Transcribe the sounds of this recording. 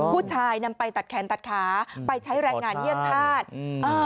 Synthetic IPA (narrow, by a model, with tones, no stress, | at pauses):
pʰuː˥˩t͡ɕʰaː˧jna˧mpa˧jt̪a˨˩t̪̚kʰɛː˩˦nt̪a˨˩t̪̚kʰaː˩˦pa˧jt͡ɕʰa˦˥jɾɛː˧ŋŋaː˧nji˥˩əŋt̪ʰaː˥˩t̪̚ʔɤː˧